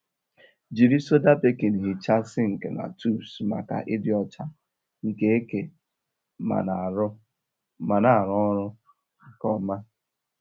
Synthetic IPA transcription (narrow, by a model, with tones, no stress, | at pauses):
d͡ʒi˨ɾi˦so˦da˦pe˦ke˨n˨ɦi˨t͡ʃa˦sɪ˦ŋ̩˨kḛ˨na̰˨tʰu˦˨sma̰˨ka̰˨ʔɪ˦dɪ˦ɔ˦t͡ʃa˦ | ŋ̩˨ke˦e˦ke˨ | ma̰˨na˨ɾʊ˦ | ma˨na˨ɾɔ˦ɔ˦ɾʊ˦˨ | kɔ˦ma˦